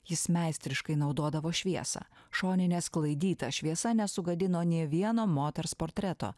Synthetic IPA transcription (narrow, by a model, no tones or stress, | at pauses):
jɪsmʲæˑɪsʲt̪ʲɾʲɪʃkɐɪnɒʊd̪uɔd̪ɐʋoːʃʲʋʲiɛsɐ̰ːʃoːnʲɪnʲeːsklˠɐɪd̪ʲiːt̪ɐʃʲʋʲiɛsɐnʲɛsʊɡɐd̪ʲɪnoːnʲiɛʋʲiɛnoːmoːt̪ʲɛɾspoːɾʲt̪ʲɾʲɛt̪o̰ː